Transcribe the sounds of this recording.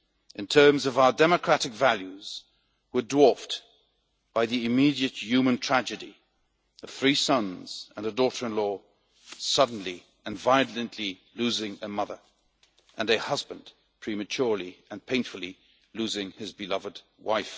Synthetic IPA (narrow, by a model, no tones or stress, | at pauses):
ʔɨ̃ntʰɜ̃˞mzʌvaʊə˞dɛmɨkʰɹ̥æɾɨkvælˠjʉz̥ | wə˞dwɔɹft | b̥aɪðiɨmiɾiɨt̚jʉmɨ̃ntʰɹ̥æd͡ʒɨɾi | əv̥θɹisʌ̃nz̥ɨ̃nɨdɔɾə˞ɨ̃nlɔ | sʌdⁿn̩li | ɨ̃nvaɪɨlˠɨ̃nʔlilʉzɪ̃ŋɨmʌðə˞ | ʔɨ̃nɨhʌzbɨ̃n | pʰɹ̥imɨt͡ʃʰʊɹlˠiɨ̃npʰẽɪ̃nfl̩ˠi | lʉzɪ̃ŋɨzbɨlʌvɨd̚ | wa̰ɪf